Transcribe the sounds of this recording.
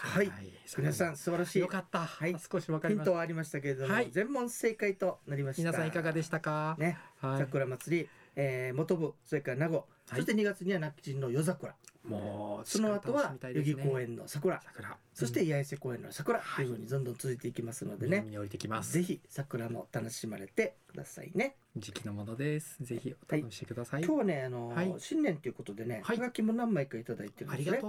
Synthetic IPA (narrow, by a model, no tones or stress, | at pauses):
haimʲinasãɰ̃sɨbaɾaɕiːokat̪ːahai̥koɕakaĩnt̪o̞βaːɾʲimaɕ̬i̥t̪ak̬e̞ɾed̪o̞mozẽ̞mːõ̞se̞ːkait̪o̞naɾʲimaɕii̥nasaãiikaɡad̪eɕi̥t̪akane̞sakɯ̟ɾamat͡sɨɾʲieːmo̞t̪o̞bɯ̟so̞ɾe̞kaɾanaɡo̞ | so̞ɕi̥t̪e̞ɲ̟iɡat͡sɨɲ̟iβanakːi̥t͡ɕĩnːo̞jo̞zakɯ̟ɾamoso̞no̞at̪o̞βamit̪ajoɡʲiko̞ːẽ̞nːo̞̰sakɯ̟ɾa̰ɯɾaso̞ɕit̪e̞iajase̞ko̞ːẽ̞nːosakɯ̟ɾat̪ːeɯɸɯ̟ːɲ̟id̪õ̞nd̪õ̞nt͡sɨzɨit̪eikʲimasɨno̞d̪e̞nemiɲioɾit̪ekʲimasze̞çʲisakɯ̟ɾamo̞̰t̪ano̞ɕimaɾe̞t̪e̞kɯd̪a̰sa̰ḭne̞ | d͡ʑikʲinomonod̪eszeçiot̪aiekɯd̪asaikʲo̞ːβane̞ano̞iɕĩnːẽnt̪eiɯ̟ko̞t̪o̞d̪e̞ne̞aɡakʲimo̞nãmːaikait̪ad̪ait̪eɾɯie